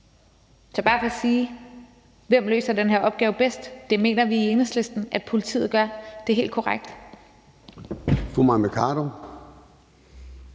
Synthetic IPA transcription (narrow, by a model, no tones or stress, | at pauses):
t͡sʰœb̥ɑ̈pʰɒ̽siː | ʋem̰lø̰ːsɐdenɦeɐʔɒ̽b̥̚ɡ̥ɛːʊb̥esd̥ːe̝me̝̰ːnɐʋiienəsle̝sd̥n̩ʔæd̥pʰo̝lit͡sʰḭːð̞̩ˠɡ̥ɶɐd̥e̝ɦe̝̰ːld̥kʰɒʁaɡ̥̚d̥ | fumɑɪmekʰɑ̰̈ːɾo